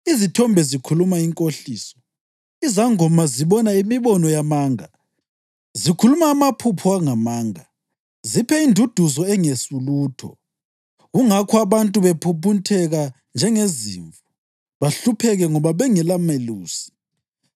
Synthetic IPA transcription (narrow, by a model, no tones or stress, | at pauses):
izitʰɔmbʱɛzikʰulumaiŋkʼoɬiːsɔ̥ | izaŋɔmaziβɔnaimiβɔnɔjamaːŋa | zikʰulumaːmapʰupʰuaŋamaːŋa | zipʰɛindʱud̥ʱuzɔɛŋesuluːtʰɔ̰ | ɣuŋakʰɔaβantʼuβepʰupʰuntʰɛɣa | nd͡ʒʱɛŋezḭɱvu | βaɬupʰɛɣɛŋɔβaβɛŋɛlameluːsi̥